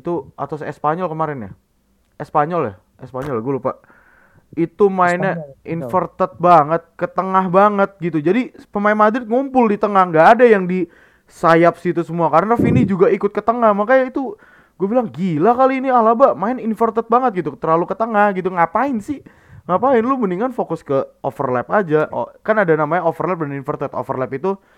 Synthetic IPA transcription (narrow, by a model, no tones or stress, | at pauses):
it̪ua̰t̪asɛspaɲɔlkəmaɾɪnja̰ | ɛspaɲɔlj̰h | ɛspaɲɔlaɡulopaʔ | it̪umaɪnaʔinfərt̪ət̪̚baŋət̪̚kət̪əŋahbaŋət̪̚ɡit̪ud͡ʒadipəmaɪnmad̪ɾɪt̪̚ŋumpʊldit̪əŋahŋɡaːdajaŋdi | sajap̚sit̪usəmuakaɾənrafinid͡ʒuɡaikʊt̪̚kət̪əŋahmakajait̪u | ɡ̥uɛbilaŋɡilahkaliːnialabamaɪninfərt̪ət̪̚baŋət̪̚ɡit̪ut̪ərlalukət̪əŋahɡit̪̬uŋapaɪnsɪh | ŋapaɪnluməniŋanfokʊskəofərlɛpad͡ʒaʔo̰kanadanamaɲaofərlɛp̚daninfərt̪ət̪o̰fərlɛpit̪u